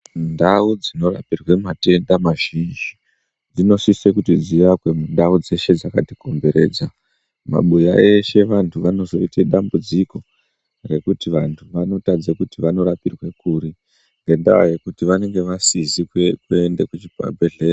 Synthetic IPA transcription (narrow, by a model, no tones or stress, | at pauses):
ndaud͡zino̞ra̰pirwe̞mate̞ndamaʒ̥ind͡ʒi | d͡zino̞sisekutid͡ziʋakwe̞mundaud͡ze̞ʃe̞d͡zakatiko̞mbe̞ɾe̞̰ːd͡za | ma̰ɓujae̞ʃe̞ʋantʰuʋano̞zo̞iteɗambud͡ziko̞ | je̞kutiʋantʰuʋano̞tad͡zakutiʋano̞ɾapirwe̞kuːɾi | ŋɡenda̰a̰je̞kutiʋane̞ŋɡe̞ʋasizikwekwende̞kut͡ʃipa̰bʱeɮe̞ːa